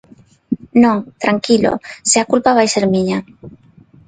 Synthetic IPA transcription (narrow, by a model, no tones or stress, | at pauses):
nõŋt̪ɾaŋkilo̰seakulpaβ̞ajseɾmiɲa